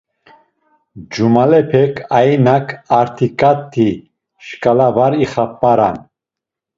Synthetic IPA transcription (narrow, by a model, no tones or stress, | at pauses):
d͡ʒumalɛpʰɛkʰainakʰaɾt̪ʰikʼat̪ʰːi | ʃkʼalavaɾiχapːaɾa̰n